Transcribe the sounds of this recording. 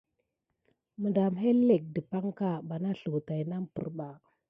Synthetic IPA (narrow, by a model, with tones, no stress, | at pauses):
mə˨da˨mɦe˦lːe˨k̚də˨pa˦ŋka˦˨ba˨na˦ɬu˨ta˨jna˦mpṵ˨ɾba˨